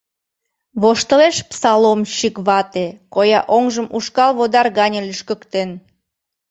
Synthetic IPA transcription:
βoʃt̪əleʃpsɑlomɕikβɑt̪ekojɑʔoŋʒəmuʃkɑlβod̪ɑrɣɑnʲə̆lʲyʃkə̆kt̪en

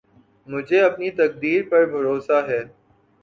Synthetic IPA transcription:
mʊd͡ʒʱeɐpnit̪ɐk̚d̪iːɾpɐɾbʱɐɾoːsaɦɛː

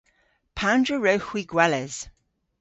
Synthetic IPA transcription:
pʰãndɹəɹəwxwiɡwɛlɛz̥

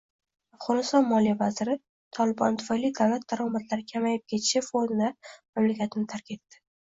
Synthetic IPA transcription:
afʁɒnɪst̪ɒnmɒlijavazɪɾɪ | t̪ʰɒlɪbɒ̰nt̪ʰʊ̥fajlːijd̪avlat̪̚d̪aɾɒmat̪laɾɪkʲʰamajɪp̚kʲʰe̞t̪ʰɪ̥ʃafonɪd̪amamlakʲat̪ʰɪnɪt̪ʰaɾkʲe̞t̪ːɪ̥

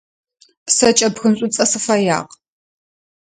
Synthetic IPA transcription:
sɐt͡ʃʼɐpxɨmɕʷʼʊt͡sʼɐsɨfɐja̰ːq

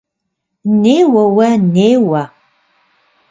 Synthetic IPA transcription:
neːwɐwɐneːwɐ

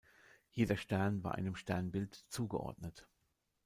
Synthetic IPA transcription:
jeːdɐʃtɛɐnvaːɐʔa̰ɪnəmʃtɛɐnbɪltt͡suːɡəʔɔ̰ɐdnət

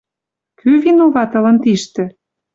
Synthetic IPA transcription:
kyvinuβɑt̪ɤ̆lɤ̆nt̪iʃt̪ɘ̆

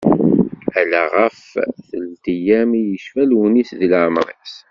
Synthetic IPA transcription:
ælæʁəfθəld̪ijæmijəʃfælwənisðləʕmɾˤḭs

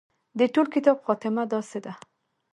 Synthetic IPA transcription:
d̪əʈolkɪt̪ɑbxɑt̪ɪmad̪ɑsed̪a

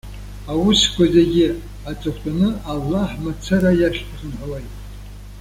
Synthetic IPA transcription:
awʊskʷazeɡʲɪ | at͡sʼɨχʷʰtʼanɨalːaħmat͡sʰaɾajaʃʲtʰaχənħawajtʼ

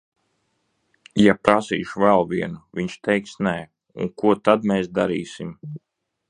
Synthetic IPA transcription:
japɾasḭːʃuvɛlˠviɛnuviɲʃt̪ʰɛjksnɛː | ṵŋkuɔt̪ad̪mɛːsd̪aɾiːsim

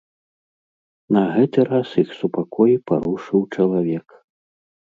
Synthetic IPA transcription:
nɐɣɛt̪ɨɾasjixsupakʰɔjipa̰ɾuʂɨwt͡ʂɐlˠavʲɛk

